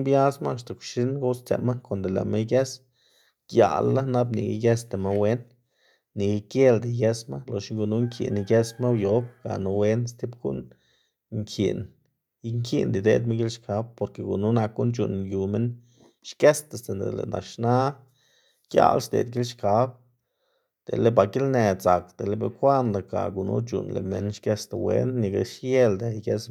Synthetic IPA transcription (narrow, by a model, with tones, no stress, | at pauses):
bja˦sma˦˧s̬t̪a˨kʷʃi˦nɡo˦st͡sḛ˨ma˦ko˨nd̪e˨lḛ˨me˦ɡe˦s | ɡ̥ja̰˨lːa˦na˦bnḭ˨ɡḭ˧˦ɡe˦st̪e˨ma˦we˦nː | i˨ɡi˧kje˦ld̪i˨je˦sma˦lo˨ʃŋɡu˧nu˦ŋkʰḭ˨ni˧ɡe˦sma˦wjo˦b̚ɡ̥a̰˨nu˧we˧˦nst̪i˦bɡṵ˦n | ŋkʰḭ˨n | i˦ŋkʰḭ˦nd̪i˨d̪ḛ˧d̪me˦nɡi˦lʃka˨˦b̚po˧ɾke˧ɡu˨nu˦na˧k̚ɡu˦nt͡ʃṵ˧˨nju˨me˦n | ʃke˦st̪a˨st̪e˧nd̪ḛ˨lḛ˨na̰˨ʃna˦ | kja̰˧˦lsd̪ḛ˨d̪ɡi˦lʃka˨˦b̚ | d̪̥ḛ˨le˦ba˧˨ɡi˦lne˨za˨kd̪̥e˨le˦be˧˨kʷa˦nla˨ka̰˨ɡu˧˨nṵ˧˦t͡ʃṵ˨nlḛ˨me˧nʃke˦st̪a˨wḛ˦nːi˧ɡa˧˨ʃje˦ld̪e˨ɡe˦s